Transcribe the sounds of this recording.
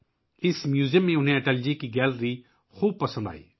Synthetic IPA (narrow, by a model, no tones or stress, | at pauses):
ɪsmjuːzijəmːẽʊnɦẽɐʈɛːld͡ʒikiɡɛːlɾi | xuːb̚pɐsə̃nd̪a̰ːḭː